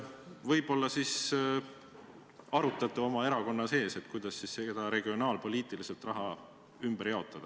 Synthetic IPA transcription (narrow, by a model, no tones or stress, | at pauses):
vɤjb̥o̞lːɑsis | ɑɾut̪ːˑɑt̪ːˑuo̞mɑe̞ɾɑko̞nːɑse̞ːse̞t̪kujd̪̥ɑsːissed̪̥ɑɾe̞ɡio̞nɑːlpo̞liːt̪ˑiliselt̪ˑrɑɦɑ | ymb̥eɾjɑo̞t̪ːˑɑd̪̥ɑ